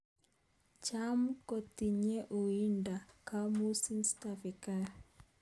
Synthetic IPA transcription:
t͡ʃamko˨t̪i˨ɲe˦ʔo˨i˦nda˨ka˦mu˦si˦mstafi˨kaɾ

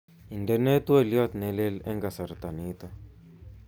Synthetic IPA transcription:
i˨ndɛ˨nɛ˦t̪we˦˨ljɔ˦t̪nɛ˨le˦lɛ˦ŋɡa˨sa˨ɾt̪a˨ni˦t̪a˨

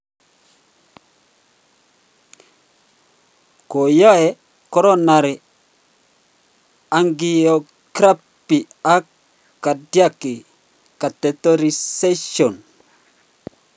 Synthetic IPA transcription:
ko˨jɔ˦ɛ˨ | kɔ˦ɾɔ˦na˨ɾi˨ | a˨ŋɡi˦o˨ | kɾa˦pi˨ | a˦ | kːa˨dja˦ki˨ | ka˨tɛ˨to˦ɾi˨se˦ʃɔ˨n

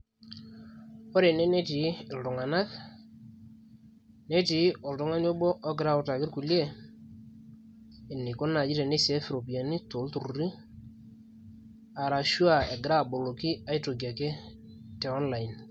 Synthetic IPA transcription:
ɔ˦ɾe˨ne˦ne˦ti˨ɪ˨ltʊ˨ŋa˨na˦k | ne˦ti˨˦ɔ˨ltʊ˨˦ŋa˦no˦bɔ˦ʔɔ˦ɡɪ˨ɾa˦ʊ˨ta˨kɪ˦ɾku˨lje˦ | ɪ˨nːɪ˨ko˦na˨d͡ʒɪ˦te˨ne˦se˦fɪ˨ɾo˨pi˨a˨ni˦to˨˦ltu˨ɾɾi˦ | a˨ɾa˨ʃu˦a˨e˨ɡɪ˨ɾa˦˨bo˨lo˨ki˦a˨˦i˦to˨ɡa˨ke˦ | tɛ˨ɔ˦nla˨ɪ˨n

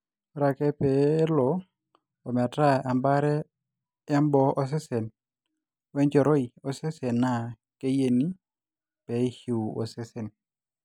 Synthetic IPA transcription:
ɾa˨kɛ˦pɛ˨˦lɔ˨ | o˨m˨a˨ta˦a˨mba˦ɾɛ˦ | ɛ˦mbɔ˦ɔ˦s̬ɪ˦se˨n | wɛ˦nd͡ʒɔ˨ɾo˦i˨o˨sɪ˦se˨nːa˨ | ke˦je˦ni˦ | pɛ˨i˦hi˨o̰˨sɪ˦se˨n

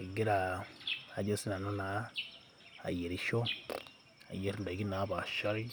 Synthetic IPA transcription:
ɡi˦ɾa˨a˨ɟe˦si˦na˨no˦na˨˦ | a̰˨je˨ɾi˨ʃo˦ | a̰˨je˦ɾnda˨ɡi˦na˨˦βa˨ʃa˦ɾi˦

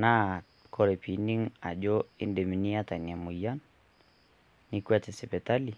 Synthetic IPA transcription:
na˦ | kɔ˨ɾɛ˨pi˨ni˦ŋa˨d͡ʒɔ˦i˦ndɛ˨mi˨ni˦ata˨ni˨a˨mu˨ja˦n | i˦kwɛ˦tɛ˨sɛ˨pɛ˨ta˦li˨

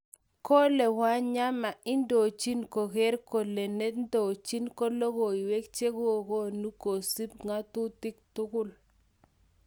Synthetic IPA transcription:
ko˦le˨wa˦ɲa˦ma˨ɪ˦ndo˨t͡ʃi˦nko˨ɣɛ˦ɾko˨le˨ne˦tndo˨t͡ʃi˦nko˦lo˦ɣo˨i˨we˦kt͡ʃe˦ɣwo˦˨ko˦nu˦ko˨si˦p̚ŋa˦t̪ʊ˦tɪ˦k̚tʊ˦kʊ˦l

